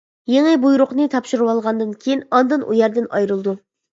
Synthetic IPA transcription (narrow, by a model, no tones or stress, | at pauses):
jeŋɨbujɾʊqnɨt̪ʰɑpʃuɾuwɑlˠʁɑnd̪ɨnkʲʰejinɑnd̪ɨnʔṵjɛɾd̪ɪnɑjɾɨlˠd̪u